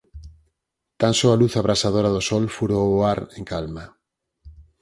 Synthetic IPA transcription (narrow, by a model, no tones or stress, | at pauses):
t̪ãnsoaluθaβɾasað̞oɾaðosɔlfuɾooaɾẽŋkalma